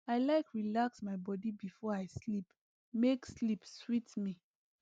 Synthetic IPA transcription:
aɪlaɪkɹilaksmaɪbɔdibifɔaɪslip | mekslipswitmi

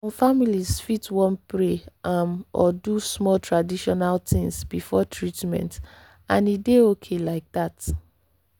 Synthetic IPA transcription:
ɔ̃mfamilisfitwɔ̃npɹeamɔ̰dusmɔltʰɹadiʃɔnaltĩŋsbifɔtʰɹitmɛ̰̃nt | ãnideokʰelaɪk̚dat

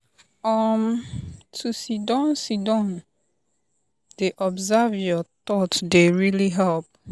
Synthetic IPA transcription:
ɔmtʰusidɔ̃nsidɔ̃n | d̥eʔɔbzavjɔt̪ɔtdeɹiliɦɛlp̚

